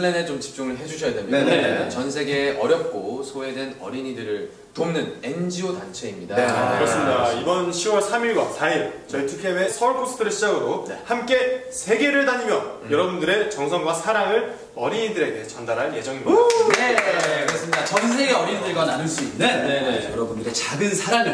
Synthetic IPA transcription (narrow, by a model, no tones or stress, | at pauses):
lːenet͡ɕomt͡ɕi̥p̚t͡ɕ͈uŋɯɭɦe̞d͡ʑuɕʰʌjadwemjnet͡ɕʌnsʰe̞ɡeʌɾjʌp̚k͈osʰoedwenʌ̰ɾiɲidɯɾɯɭ | tomnɯne̞nd͡ʑiotant͡ɕʰe̞imɲidaekɯɾʌs͈ɯmɲidaibʌnɕʰiwʌɭsʰamiɭɡwa̰saiɭt͡ɕʌɭtʰukʰewesʰʌɭkʰosʰɯ̥tʰɯɾeɭɕʰid͡ʑaɡɯɾoehamk͈e̞ | sʰe̞ɡe̞ɾɯɭdaɲimjʌjʌɾʌbundɯɾe̞t͡ɕʌŋsʰʌŋɡwasʰaɾaŋɯɭ | ʌɾiɲidɯɾe̞ɡe̞t͡ɕʌndaɾɦaɭje̞d͡ʑʌŋimɡekɯɾʌs͈ɯmɲidat͡ɕʌns̬ʰe̞ɡeʌɾiɲidɯɭɡananɯɭs͈uinenenejʌɾʌbundɯɾe̞t͡ɕaɡɯnsʰaɾaŋɯ